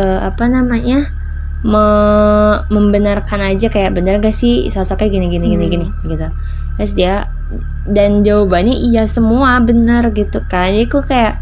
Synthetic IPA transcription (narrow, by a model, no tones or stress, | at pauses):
əapanamaɲa | mə | məmbənarkanad͡ʒakajaʔbənərŋɡahsɪhsasakaɡiniɡiniɡiniɡinɪ | ɡit̪u | t̪ɾʊs̬dia | dand͡ʒaubaɲaʔijasəmuabənərɡit̪ukaaikukajaʔ